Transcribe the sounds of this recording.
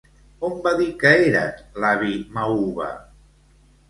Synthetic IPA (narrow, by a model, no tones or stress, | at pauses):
ombaðikəeɾa̰t̪laβimauβa̰